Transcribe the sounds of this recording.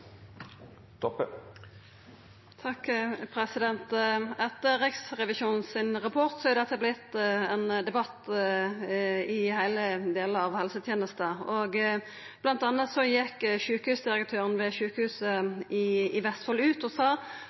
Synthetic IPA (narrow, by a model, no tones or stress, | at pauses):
t̪ɔpə | t̪ʰɑkːpʰɾɛsɪd̪ɛnt̪ɛt̪əɾɪksʁɛʋɪʃuːnn̩sɪnʁɑpʰɔʁt̪sɔɑɾd̪ɛt̪ːəblɪt̪ɛnd̪ɛbɑt̪ː | ɪhæɪləd̪eːləɾɑʋhɛlsət̪ʰjeːnəst̪əɔɡ | b̥lɑnt̪ɑnːət̪sɔjɛkːʃʉːkəhʉːsd̪ɪɾək̚t̪ʰøːʁən̩ʋɛʃʉːkəhʉːsəɪɪʋɛst̪fɔlʉːt̪ɔsɑː